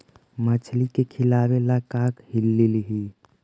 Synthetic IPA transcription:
mət͡ʃʰlikekʰɪlaːwelakaːkhɪlːilɦi

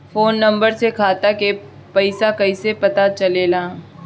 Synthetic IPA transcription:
foːnːɐ̃mbəɾsekʰaːt̪ake | pɐɪsakɐisepɐt̪at͡ʃɐlelaː

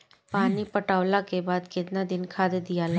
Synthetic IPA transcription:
paːnipɐʈaːʋlakebaːd̪kɪt̪nad̪ɪnkʰaːd̪ed̪ijala

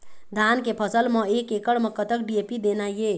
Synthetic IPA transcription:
d̪ʱankepʰʌsəlmʌekekəɽmʌkət̪ək̚ɖiepid̪enaje

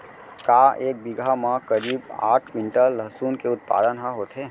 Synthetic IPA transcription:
kaeːk̚biɡʱamãkəɾiːba̰ːʈʰʋɪɳʈəlləɦsuːnkeʊt̪̚pa̰ːd̪ənɦãɦot̪ʰe

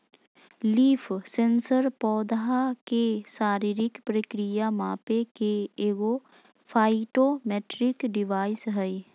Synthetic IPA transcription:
liːfʰsẽnsəɾpɔːd̪ɦakesaːɾiɾɪkpɾəkɾijamaːpekeeːɡo | pʰaːɪʈomeːʈɾɪkɖɪʋaːɪsɦɛi

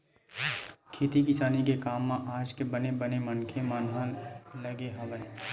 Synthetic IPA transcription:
kʰeːt̪ikɪsaːnikekaːmːãʔaːd͡ʒkebənebənemɐnkʰemaːnɦãlɐɡeɦãbəne

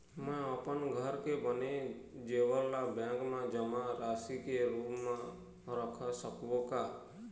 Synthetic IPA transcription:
mɛ̃apənɡʱəɾkebəned͡ʒeʋəɾlabɛ̃ɡmãd͡ʒəmãɾaːsikeɾupmã | ɾəkʰasəkʋoka

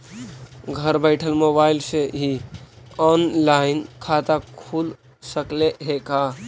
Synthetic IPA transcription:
ɡʱəɾbəɪʈʰəlmobaɪlseɦi | ɔnlaɪnkʰat̪akʰul | səkleɦeka

